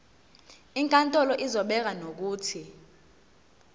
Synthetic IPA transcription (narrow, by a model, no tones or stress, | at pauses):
iŋkʼantʼɔlɔʔizɔɓɛk̬anok̬uːtʰi